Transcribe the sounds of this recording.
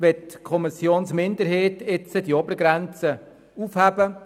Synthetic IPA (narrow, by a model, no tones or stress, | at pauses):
ʋɛttkʰɔmɪsjoːnsmɪndəɾɦeːtɪt͡sədiɔbəɾɡɾɛnt͡sə | ufhæbə